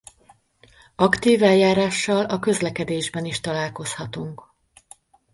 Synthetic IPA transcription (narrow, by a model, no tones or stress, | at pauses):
ɒkt̪iːvɛljaːɾaːʃːɒlɒkø̞zlɛkɛd̪eːʒbɛniʃt̪ɒlaːlko̞shɒt̪uŋk